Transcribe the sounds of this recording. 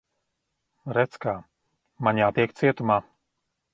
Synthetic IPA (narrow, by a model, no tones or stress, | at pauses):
ɾɛt̪skaː | maɲaːt̪iɛk̚t̪siɛt̪umaː